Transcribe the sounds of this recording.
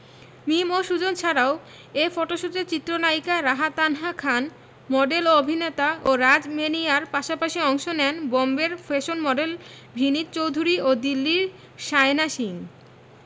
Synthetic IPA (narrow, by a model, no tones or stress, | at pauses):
mimoʃud͡ʑont͡ɕʰaɾao | efɔʈoʃut̪et͡ɕit̪ːɾonaikaɾaɦat̪anɦakʰan | mɔɖelobʱinet̪aʔoɾad͡ʑmeniaɾpaʃapaʃiɔŋʃonɛnbɔmbeɾfeʃonmɔɖel | bʱinit̪t͡ɕowd̪ʱuɾiod̪ilːiɾ | ʃaenaʃiŋ